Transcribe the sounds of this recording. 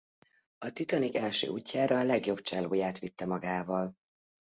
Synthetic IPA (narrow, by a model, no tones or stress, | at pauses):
ɒt̪it̪ɒnikɛlʃø̰ːʔuːcːaːɾɒːlɛɡjo̞bt͡ʃɛloːjaːt̪ʋit̪ːɛmɒɡaːvɒl